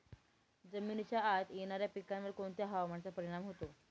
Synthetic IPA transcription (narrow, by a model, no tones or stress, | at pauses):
d͡zəmint͡ɕjaːt̪jeɽ̃aɾjapikːanʋəɾkoɳt̪jaɦaʋmaɳt͡sapəɾiɽ̃amɦot̪o